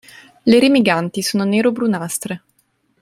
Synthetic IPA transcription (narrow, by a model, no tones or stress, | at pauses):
leɾimiɡant̪isoːnoneːɾobɾunast̪ɾe